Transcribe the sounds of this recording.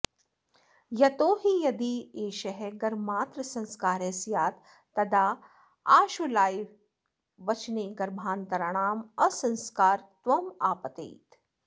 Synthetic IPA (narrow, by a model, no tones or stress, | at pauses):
jɐt̪oːɦijɐd̪ieːʃɐɦɛɡɐɾmaːt̪ɾɐsɐ̃nskaːɾesjaːt̪ː | ɐd̪aː | aːʃulaːi | ʋɐt͡ʃneːɡɐɾbʱaːnt̪ɐɾɐɽ̃aːmɐsɐ̃nskaːɾt̪ʋɐmaːpɐt̪ḛːt̪